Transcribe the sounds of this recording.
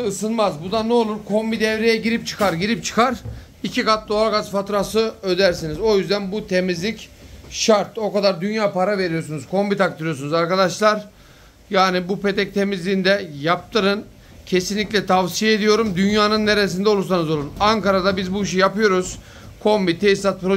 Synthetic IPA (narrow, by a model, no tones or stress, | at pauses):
ɯsɯnmazbud̪anɛolˠuɾkʰo̞mbid̪ɛvɾejɛɟiɾip̚t͡ʃʰɯ̥kaɾɟiɾip̚t͡ʃʰɯ̥kʰaɾ | icʰikat̪̚d̪o̞aɾɡazfat̪ɾasɯød̪æɾsinizo̞jyzd̪ænbut̪ʰe̞mizlʲicʃaɾt̪o̞kad̪aɾd̪ynjaːpaɾave̞ɾijo̞ɾsunuzkʰo̞mbit̪akt̪ʰɯɾijo̞sunuzaɾkad̪aʃlˠaɾ | jaːnibupe̞t̪ʰɛc̚t̪ʰe̞mizlʲiːnd̪ɛjap̚t̪ɯɾɯn | cʰe̞sinlʲicʲlʲɛt̪ʰavsijeed̪ijo̞ɾumd̪ynjaːnɯnːeɾes̬ind̪ɛo̞lˠuɾsanɯzo̞lˠunaŋkaɾad̪abizbuiʃ̬ijapɯjo̞ɾuz̥ | kʰo̞mbit̪ʰesisat̪̚pɾo